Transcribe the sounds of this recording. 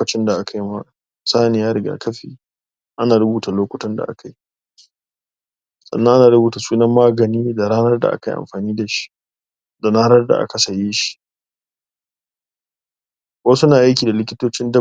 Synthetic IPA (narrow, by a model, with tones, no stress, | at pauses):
kɐ˨t͡ʃɪ˦nda˨ʔa˦kʰa˦jma˦ | saː˦nɪ˨jaː˦ɾɪ˨ɡa̰ː˦kɐ˦ɸḭː˨ | ʔa˦naː˨ɾʊ˦buː˨ta˨loː˦kʷʊ˨tɔ˦nda̰˨ʔa̰˦kʰa˨ji˦ | sʼɐ̰˨nːɐ˦ʔa˦naː˨ɽʊ˦buː˨ta˨suː˦nɐ˦mːaː˦ɡɐ˨niː˦da˨ɽaː˦nɐ˦rda̰˨ʔa̰˦ka˨jʔa̰˨mɸaː˨niː˦da˨ʃi̥˦ | da˨naː˦nɐ˦rda̰˨ʔa̰˦ka˨sa˨jiː˦ʃi̥˦ | wɐ˦sʊ˦naː˨ʔa˦jkʲiː˨da˨lɪ˦kʲɪ˦toː˦t͡ʃɪ˦ndɐ˦